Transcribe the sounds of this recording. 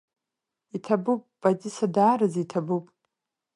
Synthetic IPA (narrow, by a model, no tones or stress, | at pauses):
itʰabupʼb̥atʲʼisadaːɾɨzitʰabupʼ